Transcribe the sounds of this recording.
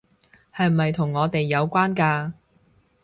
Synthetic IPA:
hɐ˨jm̩˨˩mɐ˨jt̪ʰʊ˨˩ŋːɔː˨˧t̪e˨jːɐ˨˧wkʷaː˥nkaː˧

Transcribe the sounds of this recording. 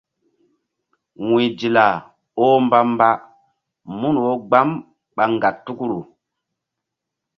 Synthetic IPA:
wĩ˨d͡ʒi˨la˨ | o˦mba˦mba˦ | mu˦n˨wo˦ɡ͡ba˦m | ɓa˨ŋɡa˨tːu˦ku˦ɾu˨

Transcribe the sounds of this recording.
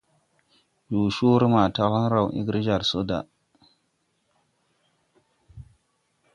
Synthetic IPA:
d͡ʒu˨ʃu˦ɾma˨ta˦ha˦nɾa˨wʔḭ˦ɡɾi˦d͡ʒa˨ɾso˦da̰˨

